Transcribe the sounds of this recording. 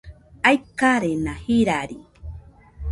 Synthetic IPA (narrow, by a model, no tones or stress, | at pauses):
ajkaɾenahiɾaɾi